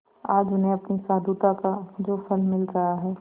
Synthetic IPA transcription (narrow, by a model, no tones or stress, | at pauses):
aːd͡ʒʊnɦeɐpnisaːd̪ut̪akad͡ʒoːfʰəlmɪlɾəaɦɛː